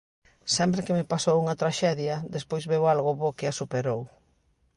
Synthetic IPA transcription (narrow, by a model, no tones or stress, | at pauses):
sɛmpɾɪkemɪpasowuŋɐt̪ɾaʃɛðjɐd̪espojzβeoalɣʊβokɪasupeɾow